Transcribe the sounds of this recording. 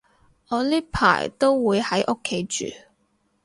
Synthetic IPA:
ɔː˨˧li˥pʰa̰ː˨˩jt̪o˥wwuː˨˧jhɐ˨˥jʔo˥kʰːe˨˥jt͡ʃy̰ː˨

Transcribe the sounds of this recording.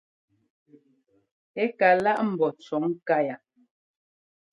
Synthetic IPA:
e˦ka˨la˦ʔm̩˨bɔ˨t͡ʃɔ˨˦ŋ˦ka˦ja˨

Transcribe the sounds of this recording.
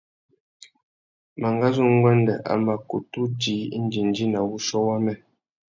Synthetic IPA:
ma˨ŋɡa˦zu˦ŋ˦ɡwɛ˦ndɛ̰˨ʔa̰˨ma˨ku˨tu˦di˨˦n̩˦d͡ʒi˨n˨d͡ʒi˦na˨wu˦ʃɔ˦wa˦mɛ˦˨

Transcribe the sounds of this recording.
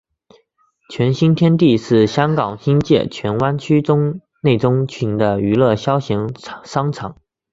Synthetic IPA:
t͡ɕʰɥɛ˧˥nɕi˥nt̪ʰjɛ˥nt̪i˥˧ʂɻ̩˥˩ɕjɑ˥ŋkɑ˨˩ŋɕi˥nt͡ɕjɛ̰˥˩t͡ɕʰɥɛ˧˥nwa˥nt͡ɕʰy˥ʈ͡ʂʊ˥ŋ | ne˥˩ɪʈ͡ʂʊ˥ŋt͡ɕʰi˩˧˥ŋd̪ə˧y˧˥lɤ˥˩ɕjɑ˥ʊɕi˧˥ŋʂɑ˥ŋʈ͡ʂʰɑ˧˥˦ŋ

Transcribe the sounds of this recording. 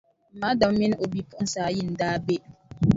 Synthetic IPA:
m̩˨ma˨˦dɔ˨m˦mi˦n˦o˨bi˦pu˦ʔn̩˦sa˨˦ji˦˨n̩˨daː˦be˦ʔ

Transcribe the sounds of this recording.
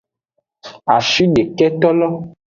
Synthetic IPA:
a˨ʃi˦ɖe˨kɛ˦t̪ɔ˦lɔ˦

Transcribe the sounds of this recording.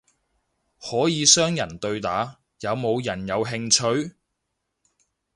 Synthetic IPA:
hɔː˨˥jiː˨˧sœː˥ŋjɐ˨˩nt̪ɵ˧ɥt̪aː˨˥ | jɐ˨˧wmo˨˧wjɐ˨˩njɐ˨˧wɦɪ˧ŋt͡ʃʰɵ˧ɥ

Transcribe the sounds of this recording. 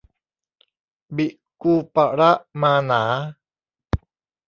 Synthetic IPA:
bi˨ʔ | kupa˨ɾa˦ʔmana˨˦

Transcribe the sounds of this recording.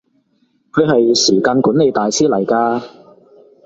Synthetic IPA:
kʰɵ˨˧ɥɦɐ˨jsiː˨˩kaː˧nkuː˨˥ne˨˧jt̪aː˨jsiː˥lɐ˨˩jkaː˧

